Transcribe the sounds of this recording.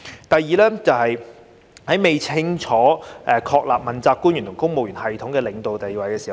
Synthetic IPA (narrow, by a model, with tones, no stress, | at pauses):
t̪ɐ˨jiː˨lɛː˥t͡sɐ˨whɐ˨j | hɐ˨˥jme˨jt͡sʰɪ˥ŋt͡ʃʰɔː˨˥ʔɛ˧kʰɔː˧k̚laː˨p̚mɐ˨˩nt͡saː˧p̚kuː˥njy˨˩nt̪ʰʊ˨ŋkʊ˥ŋ̚mo˨wjyː˨˩nhɐ˨jt̪ʰʊ˨˥ŋkɛː˧lɪ˨˩ŋt̪o˨wt̪e˨jwɐ˨jkɛː˧siː˨˩h